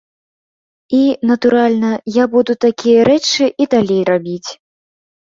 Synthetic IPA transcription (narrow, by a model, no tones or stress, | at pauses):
inɐt̪uɾalʲnɐjabud̪ut̪akʲijɐɾɛt͡ʂɨʔid̪alʲejrabʲit͡sʲ